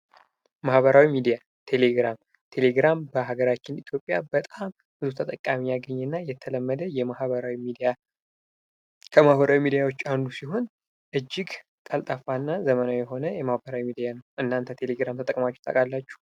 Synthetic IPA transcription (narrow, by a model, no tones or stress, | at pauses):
mahβəɾawimid̪ija | t̪ʰe̞le̞ɡɾam | t̪ʰe̞le̞ɡɾambəɦaɡəɾat͡ʃːɪnit̪ʰjo̞pʼjabət̪ʼam | b̥ɨzut̪ʰət̪ʼəkʼːamijaɡəɲːɛnːajɛt̪ʰələmːəd̪əjɛmahβəɾawimid̪ija | kʰəmahβəɾawimid̪ijawo̞t͡ʃːand̪usiɦo̞n | ʔɨd͡ʒːɪɡ | k̪ʼalt̪ʼafanːazəmənajɛɦo̞nəjɛmahbəɾawimid̪ijanəwʔɨnːant̪ʰət̪ʰe̞le̞ɡɾamt̪ʰət̪ʼə̰kʼmat͡ʃːɛ̥t̪ʰʼə̰kʼalːat͡ʃːu̥